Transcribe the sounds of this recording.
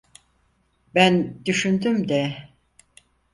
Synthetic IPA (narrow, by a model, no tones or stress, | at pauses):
bænd̪yʃynd̪ymd̪ɛ